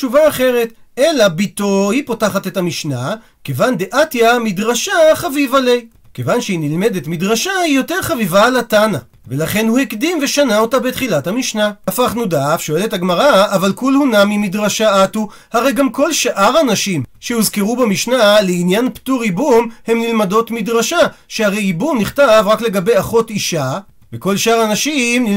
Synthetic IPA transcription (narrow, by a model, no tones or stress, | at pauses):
t͡ʃuvaːχe̞ʁe̞t | e̞labitohipo̞taχate̞tamiʃna | kevandeʔatjamidʁaʃaχavivalej | kevanʃeinilme̞detmidʁaʃahijo̞te̞ʁχavivalatana | velaχe̞nhuhekdimve̞ʃanao̞tabetχilathamiʃnaafaχnudafʃoe̞lethaɡmaʁaːvalkulhunamimidʁaʃaatu | haʁe̞jɡamko̞lʃʔaʁanaʃimʃehuzkeʁubamiʃnaleinjanptuʁibumhe̞mnilmado̞tmidʁaʃaʃehaʁe̞jibumniχtavʁakle̞ɡabe̞jaχo̞tiʃa | veko̞lʃaʁanaʃimni